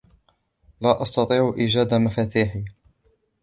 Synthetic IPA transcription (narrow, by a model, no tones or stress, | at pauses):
laːʔɑst̪ɑt̪ˤiːʕʊʔiːd͡ʒaːd̪amafaːt̪iːħi